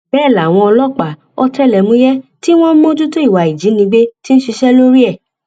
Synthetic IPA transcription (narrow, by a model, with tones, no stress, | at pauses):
b̥ɛː˦˨la˨w̃ɔ̃˧ɔ˧lɔ˦k͡pa˨ | ɔ˧tɛ˦˨lɛ˨mũ˨˦jɛ˦ti˦w̃ɔ̃˦m̩˦mõ˦d͡ʒu˦to˦i˦˨wa˨i˨d͡ʒi˨˦nĩ˧ɡ͡be˦ti˦ñ̩˦ʃi˧ʃɛ˦lo˦ɾi˦ɛ˦˨